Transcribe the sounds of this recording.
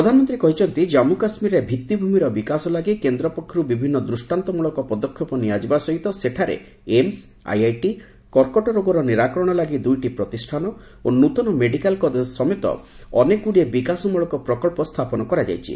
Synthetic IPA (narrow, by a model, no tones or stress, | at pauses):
pɾɔd̪ʱanɔmɔnt̪ɾikɔɦit͡ʃʰɔnt̪id͡ʒamukasmiɾebʱit̪ːibʱumiɾɔbikasɔlaɡikend̪ɾɔpɔkʰːɾubibʱinːɔd̪ɾusʈant̪ɔmuɭɔkɔpɔd̪ɔkʰːjɔpɔnijad͡ʒibasɔɦit̪ɔseʈʰaɾḛ | ems | a̰jajʈi | kɔɾkɔʈɔɾoɡɔɾɔniɾakɔɾɔɽ̃ɔlaɡid̪ujʈipɾɔt̪isʈʰanɔ | onut̪ɔnɔmeɖikalkɔd̪sɔmet̪ɔ̰ | ɔ̰nekuɽiebikasɔmuɭɔkɔpɾɔkɔɭpɔst̪ʰapɔnɔkɔɾad͡ʒa̰jt͡ʃʰḭ